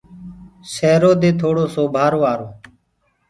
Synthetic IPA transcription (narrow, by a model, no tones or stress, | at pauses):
sɛːɾoːd̪eːt̪ʰoːɽoːsoːbʱaːɾoːʋaːɾoː